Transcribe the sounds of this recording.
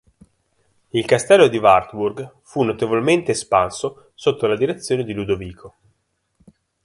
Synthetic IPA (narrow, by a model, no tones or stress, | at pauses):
ilkast̪ɛlːod̪ivart̪wurɡ | funːot̪evolment̪eːspanso | sot̪ːolad̪iɾet̪sːjoːned̪ilud̪oviːkʰo